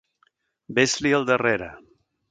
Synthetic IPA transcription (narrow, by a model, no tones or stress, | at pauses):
bezliəlˠd̪əreɾə̰